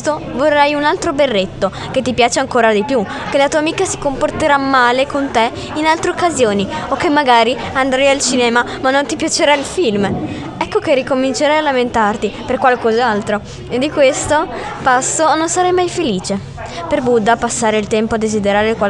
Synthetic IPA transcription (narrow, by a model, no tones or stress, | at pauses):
t̪ovorːajunalt̪ɾoberːet̪ːo | ket̪ːipjaːt͡ʃeaŋkoːɾad̪ipju | kelat̪uamikasi̥komport̪eɾamːaːlekont̪e | inalt̪ɾeokːazjoːniokːemːaɡaːɾiand̪ɾajalt͡ʃinɛːma | manːont̪ipjat͡ʃeɾailfilm | ɛkːokerikomint͡ʃeɾajalament̪art̪iperkwalkozalt̪ɾo | ed̪ːikwest̪opasːononsaɾajmajfeliːt͡ʃe | perbud̪ːapasːaːɾeilt̪ɛmpoad̪ːezid̪eɾaːɾekwa